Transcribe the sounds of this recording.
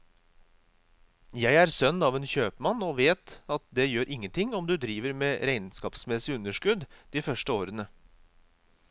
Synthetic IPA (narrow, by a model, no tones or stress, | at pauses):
jæɪæɾsœnːɑːʋeːnçøːpmɑnoːʋeːt̪ɑt̪̚d̪eːjøːɾʔɪŋːənt̪ʰɪŋɔmd̪ʉd̪ɾiːʋəɾmeːɾæɪnskɑːpsmɛsɪʉnːəʂkʉd̪d̪̥iːfœʂʈəoːɾənə